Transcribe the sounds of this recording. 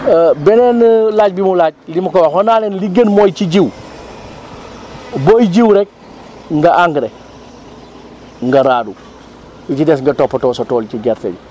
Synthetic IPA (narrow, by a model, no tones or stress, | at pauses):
bɛnenlaːɟ̚bimulaːɟ̚limukowahonaːlenliɡənmojt͡ʃiɟiw | bojɟiwɾɛk̚ | ŋɡaʔaŋɡɾe | ŋɡaɾaːdu | jit͡ʃidɛsŋɡɐtɔpːɐtɔːsotɔːlt͡ʃiɡɛɾtḛɟ